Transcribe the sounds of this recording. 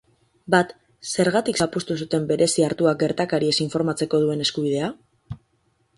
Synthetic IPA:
bat̪ | se̞ɾɣat̪iksapust̪usut̪e̞mbe̞ɾʔe̞siaɾt̪uak̚ɡe̞ɾt̪akaɾie̞siɱfo̞ɾmat͡se̞ko̞ð̞ue̞ne̞skuβ̞ið̞e̞a

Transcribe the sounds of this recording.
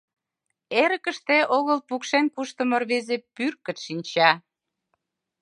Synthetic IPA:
eɾə̆kə̆ʃt̪eʔoɣəlpukʃenkuʃt̪ə̆morβezepyrkə̆t̪ʃinʲt͡ɕɑ

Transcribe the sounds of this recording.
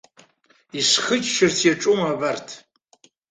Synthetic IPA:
isχəɨt͡ʃʰʼʃɪrtʰjaʈ͡ʂʼumabartʰ

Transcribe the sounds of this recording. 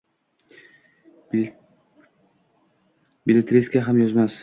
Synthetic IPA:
bilʲet̪ʰɾiskʲaɦamjozmas

